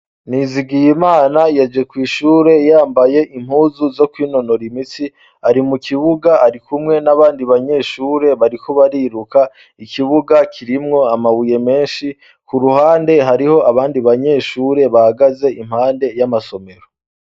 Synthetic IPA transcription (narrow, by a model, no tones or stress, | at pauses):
niziɡijimaːnajad͡ʒe̞kwiːʃuːɾe̞jaːmbaje̞ʔim̥huːzuzo̞kwiːno̞no̞ɾimit͡si | aɾimukʰiβuɡaaɾikumŋe̞naβaːndiβaɲe̞ːʃuːɾe̞βaɾikʰoβaɾiɾuka | ikiβuɡakʰiɾimŋo̞amaβuje̞me̞ːnʃi | kuɾuhaːnde̞ɦaɾiho̞ʔaβaːndiβaɲe̞ʃuːɾe̞βahaɡaze̞im̥haːnde̞jamaso̞me̞ɾo